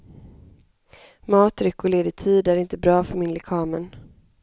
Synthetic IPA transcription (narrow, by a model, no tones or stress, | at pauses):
mɑːt̪ɾʏkːʊɭeːd̪ɪt̪ʰiːd̪æɾɪnt̪əbɾɑːfœɾmɪnlɛkʰɑːmən